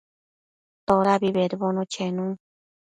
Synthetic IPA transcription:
t̪oɾabiβeɾβonõt͡ʃʰenũ

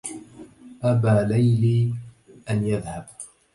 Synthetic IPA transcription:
ʔabaːlajliː | ʔanjaðhab

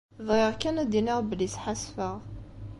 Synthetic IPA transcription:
ðʁɪʁkænæd̪inɪʁbəlːisħasfəʁ

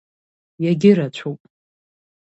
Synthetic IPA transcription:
jaɡʲɪɾat͡ɕʷʰowpʼ

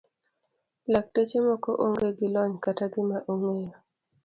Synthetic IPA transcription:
lak̚tet͡ʃemɔkoʔoŋɡeɡɪlɔɲkataɡɪmaʔoŋejo

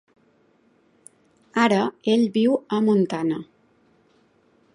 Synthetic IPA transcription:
aɾəeʎβiwəmunt̪anə

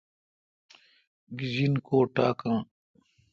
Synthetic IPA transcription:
ɡizinkoːʈaːkãː

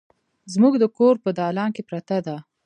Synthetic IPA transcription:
zmuɡd̪əkoɾpəd̪ɑlɑŋkepɾat̪ad̪a

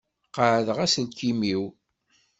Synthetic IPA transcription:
qəʕəðəʁæsəlkimiw

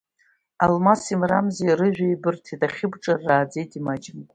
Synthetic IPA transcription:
almasimramzejɾɨʒᶣʷaibɨrtʰidʼaχʲɪbʈ͡ʂʼarːaːd͡zejtʼimad͡ʒɪmʼ

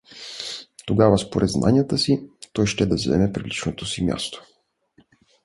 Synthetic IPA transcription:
t̪oɡavəspoɾʔɛd̪zna̰nʲijət̪əsit̪ɔjʃt̪ɛd̪ɐvzɛ̰mɛpɾilit͡ʃnot̪osimʲja̰st̪o̥

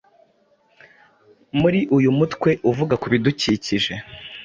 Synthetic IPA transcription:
muɾiʔujumutkwe̞ʔuvuɡakuβiduciːciʒe̞

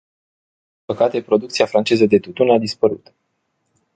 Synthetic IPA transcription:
i̥mpəkat̪e̞pɾo̞d̪uk̚t̪siafɾant͡ʃe̞zəd̪e̞t̪ut̪unad̪ispəɾṵt̪

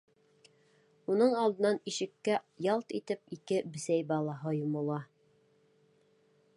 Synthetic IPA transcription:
unɤɴɑlˠd̪ɤ̆nɑniʃɘ̆kːæjɑlˠt̪it̪ɘp̚ikɘbɘ̆sæjbɑlˠɑɦɤjumulˠɑ

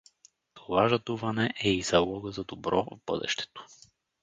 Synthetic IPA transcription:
t̪ʰovaʒad̪uvanɛʔɛizalˠɔɡəzad̪obɾɔvbɤ̰d̪ɛ̰ʃt̪ɛ̥t̪o̥

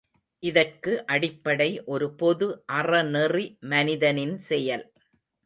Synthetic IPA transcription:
ʔɪðɐrkɯʔɐɽɪpːɐɽɐɪʔɔɾɯpɔðɯʔɐrɐnɛrimɐnɪðɐnɪnsɛjɐl

